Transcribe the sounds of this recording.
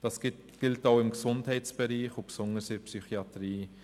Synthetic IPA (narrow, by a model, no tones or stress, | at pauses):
d̥ɑs | ɡ̥ɪltaʊɪmksʊnthɛɪtt͡sb̥ɛɾiːχopsʊŋəsɪpsyχiɑtɾiː